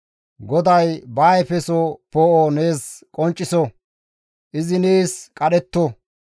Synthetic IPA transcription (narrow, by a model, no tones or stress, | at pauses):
ɡɔd̪ɐjbaːjpɛsopoːʔoneːskʼɔnt͡ʃʼːɪsɔ | ʔɪzɪneːskʼɐɗɛt̪ːo